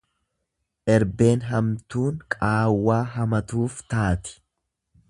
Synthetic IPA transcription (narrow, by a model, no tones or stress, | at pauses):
ʔɛɾbe̞ːnɦɐmt̪uːŋkʼaːwːaːɦɐmɐt̪uːft̪aːt̪ɪ̥